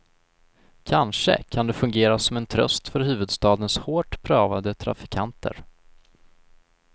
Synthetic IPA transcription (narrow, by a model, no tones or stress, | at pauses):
kʰanʂə̰kʰand̪ɛfɵŋɡeːɾasɔmɛnt̪ʰɾœ̰st̪fœɾɦʉ̟ːvɵd̪st̪ɑːd̪ənshoːʈpʰɾɑːvad̪ət̪ʰɾa̰fɪ̥kʰant̪ʰə̰ɾ